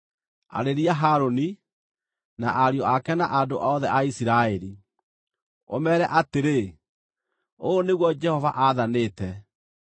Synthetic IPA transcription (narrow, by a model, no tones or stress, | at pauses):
a̰ɾeɾiaɦaɾoni | naʔaɾjɔakɛna̰ʔadoʔɔðɛʔaisiɾaeɾi | o̰mɛɾɛʔateɾe | oːneɣwɔd͡ʒɛhɔvaʔaðaneːtɛ